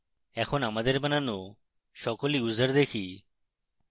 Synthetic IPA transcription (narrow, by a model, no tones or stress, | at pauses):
ɛkʰonamad̪eɾbanano | ʃɔkoliuzaɾd̪ekʰi